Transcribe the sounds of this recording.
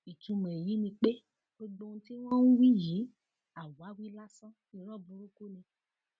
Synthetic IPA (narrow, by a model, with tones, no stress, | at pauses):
i˨t͡ʃũ˧me˨ji˦nĩ˧k͡pe˦ | k͡pe˦ɡ͡bõ˧ŋ̩˦t̪i˦wã˦wũ˦wi˦ji˨˦ | a˨wa˨˦wi˦la˦sã˦ | i˨ɾɔ˦bu˨ɾo˦ko˦nẽ˨